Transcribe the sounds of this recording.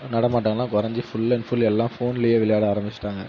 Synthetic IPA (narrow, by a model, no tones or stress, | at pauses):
nɐɽɐmaːʈ̬ːaːŋɡɐlːãːkɔɾɐɲd͡ʒɯfʊɭːɐɪnfʊlɛlːãːfoːnɪlɪjeːʋɪlɐjaːɽɯaːɾɐmbɪt͡ʃːɪ̥ʈːaːŋɡɐ